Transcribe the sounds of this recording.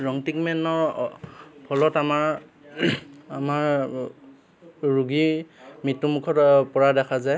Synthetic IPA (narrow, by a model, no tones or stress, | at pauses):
ɹɔŋtikmɛnɔɹ | pʰɔlɔtamaɹ | amaɹ | ɹuɡimitːumukʰɔtpɔɹadɛkʰazaj